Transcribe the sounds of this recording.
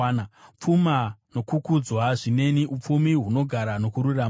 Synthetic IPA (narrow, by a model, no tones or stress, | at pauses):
nap͡fumano̞kukud͡zwaʐine̞niʔup͡fumiɦuno̞ɡʱaɾano̞kuɾuraːm